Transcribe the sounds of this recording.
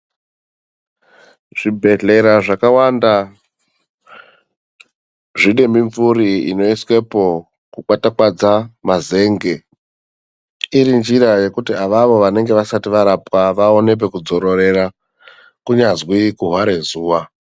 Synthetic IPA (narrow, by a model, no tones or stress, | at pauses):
ʐ̥ibʱe̞ɮe̞ɾaʐakawanda | ʐiɗe̞mbiɱvuɾiḭno̞iswe̞po̞ | kukwatakwad͡zamaze̞ːŋɡe̞ | iɾind͡ʒiɾaje̞kutiaʋaʋo̞ʋane̞ŋɡe̞ʋasatiʋaɾapwaʋaone̞p̬e̞kud͡zo̞ɾo̞re̞ra | kuɲazwikuɦwaɾe̞zuːʋa